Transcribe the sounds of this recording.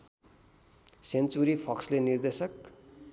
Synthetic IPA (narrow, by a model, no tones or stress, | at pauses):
sent͡suɾipʰʌkslenird̪esʌk